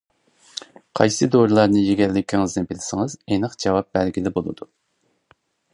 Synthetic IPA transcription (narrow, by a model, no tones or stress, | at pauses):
qʰɑ̰jsɨd̪oɾɨlˠɑɾnɨjeɡʲɛɾlɪkʲʰiŋɪznɨnbɪlɪsɪŋɨzenɨqd͡ʒɑwɑp̚bɛlɡʲilɪbolˠɨ̰d̪u